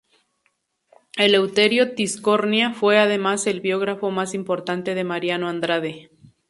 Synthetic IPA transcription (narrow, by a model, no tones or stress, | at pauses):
e̞le̞wt̪e̞ɾjo̞t̪isko̞ɾnjafwe̞aðe̞mase̞lβjo̞ɣ̞ɾafo̞masimpo̞ɾt̪ant̪e̞ðe̞maɾjanoand̪ɾað̞e